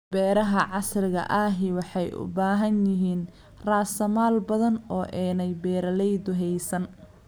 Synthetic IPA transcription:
b̥ɛːɾɐɦɐʕɑsrɪɣɐ̰ʔaːɦɪwɑħɑjʔʊ̰baːɦɐnjɪɦiːn | raːsɐmaːlbɐðɐnɔːʔɛːnɛjbɛːɾɐlɛjd̪ʊɦɛjsɐn

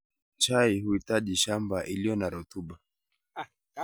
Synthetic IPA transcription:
t͡ʃaihuhitaʄiʃambaʔilijɔnaɾɔtuɓa

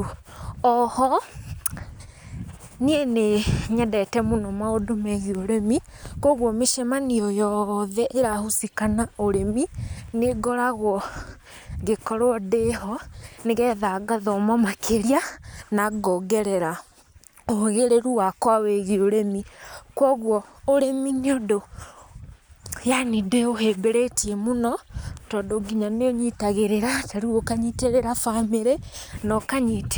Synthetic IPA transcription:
ɔhɔ | nieneɲɛdɛtɛmonɔmaodomɛɣioɾemi | koɣɔmeʃɛmaniɔjɔðɛʔeɾahusikanaoɾemineɡɔɾaɣwɔ | ɡekɔɾwɔdeɦɔneɣɛːðaɡaðɔmamakʰeɾianaɡɔɡɛɾɛɾa | oɣeɾeɾuwakwaweɣioɾemikwɔːɣwɔːɾemineodo | janideoɦebeɾetiemonɔtɔdoɡiɲaneoɲitaɣeɾeɾataɾiokaɲiteɾeɾafameɾenɔkaɲite

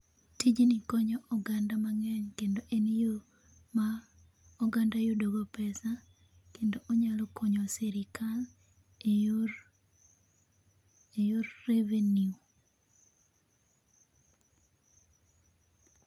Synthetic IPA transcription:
tid͡ʒinikɔɲɔʔɔɡandamaŋɛɲkendoʔenijo | ma | ɔɡandajodoɡɔpɛsa | kendoʔoɲalɔkʰɔɲɔsɛɾikʰal | ejorːeveniu

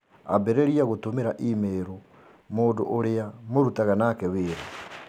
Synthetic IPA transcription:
a̰beɾeɾiaɣotomeɾaʔimeɾo | moːndo̰ʔoɾeamoɾutaɣanaːkɛweːɾa

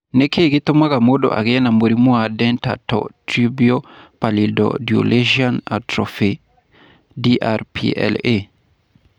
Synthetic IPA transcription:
nɛkeɡɪt̪ʊmakamodo̰ʔa̰ɡɪɛnamoɾimwadɛnta̰tɔ̰tɾibiopalɪdɔ̰djo̰lʔeʒana̰tɾɔfe | diʔaɾpʰḭɛ̰le

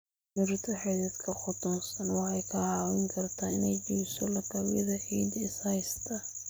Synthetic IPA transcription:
mɪɾt̪ʰɐħɛðɛd̪kʰɐχʊt̪ʰɔnsɐnwɑɛjkʰɐhɑːwɪŋkʰɐrt̪ʰaɪnɛjt͡ʃiːsɔlɐɡɐwjɐ̰ðɐħiːd̪ɪshɐjst̪ʰɐ

